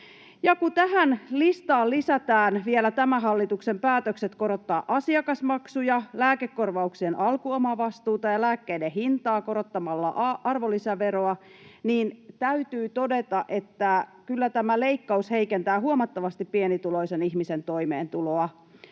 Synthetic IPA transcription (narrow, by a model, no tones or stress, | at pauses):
jɑkut̪æɦænlist̪ɑːllisæt̪æːnʋielæt̪æmæɦɑlːit̪uksempæːt̪økse̞t̪ko̞ɾo̞t̪ːɑːʔɑsiɑkɑsmɑksujɑlæːkekːo̞rʋɑuksienʔɑlkuomɑʋɑst̪uːt̪ɑjɑlæːkːeijdeɦint̪ɑːko̞ɾo̞t̪ːɑmɑlːɑ̰ʔɑrʋo̞lisæʋeɾoɑ | niːnt̪æyt̪yːt̪o̞de̞t̪ɑʔe̞t̪ːækylːæt̪æmæle̞ikːɑushe̞ikent̪æːɦuomɑt̪ːɑʋɑst̪ipːienit̪ulo̞isenihmise̞nt̪o̞jmḛːnt̪uloɑ